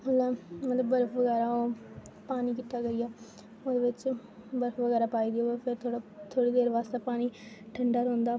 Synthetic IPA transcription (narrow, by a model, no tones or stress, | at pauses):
əllːaːmət̪ləbːəɾfʰʋəɡɛːɾaːoːpaːniːkɪʈ̪ːaːɡəijaː | oːd̪eːʋɪt͡ʃ | bəɾəfʋəɡɛːɾaːpaːiːd̪iopʰɪɾt̪ʰoɽat̪ʰoːɽiːd̪eːɾʋaːst̪epaːniːʈʰəɳɖaːɾõːnd̪aː